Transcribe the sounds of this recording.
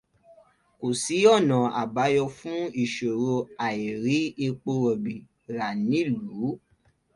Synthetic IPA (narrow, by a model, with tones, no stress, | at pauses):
ko˨si˨˦ɔ˦˨nã˨a̰˨ba˨˦jɔ˧fũ˦i˦˨ʃo˨ɾo˧a˨i˨ɾi˨˦e˧k͡po˧ɾɔ˨bi˨ | ɾa˨nĩ˨˦˨lu˨˦